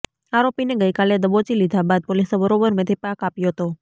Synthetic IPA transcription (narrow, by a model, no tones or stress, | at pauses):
aɾopineɡəjkaled̪əbot͡ʃilid̪ʱabad̪̚polisebəɾobəɾmət̪ʰipakapjoɦət̪o